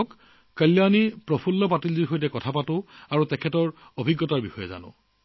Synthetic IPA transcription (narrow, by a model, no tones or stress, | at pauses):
k | kəlːjanipɹɔpʰulːɔp̬atildixojtɛkɔtʰapatʊ̃aɹutɛkʰɛtɔɹ | obʱiɡːɔtaɹbixɔjɛza̰nʊ̰̃